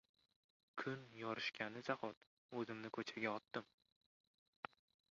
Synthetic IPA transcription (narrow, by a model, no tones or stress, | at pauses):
kʲʰʊnjɒɾɪʃkʲʰanɪzahɒt̪ | ɵzɪmnɪkʰɵt͡ʃʰaɡʲaɒt̪ːɪm